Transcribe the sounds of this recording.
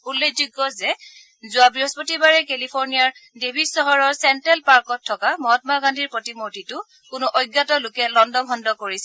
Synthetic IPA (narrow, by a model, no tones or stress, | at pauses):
ulːekʰzuɡːɔzɛ | zʊabɹiɔspotibaɹɛkelipʰoɹnijaɹdebʱisɔɦɔɹɔɹsɛntɛlpaɹkɔtʰːɔkamɔɦɔtmaɡandʱiɹpɹotimotitʊ | kʊnʊʔojɡːatɔlʊkɛlɔndɔbʱɔndɔkoɹisɛ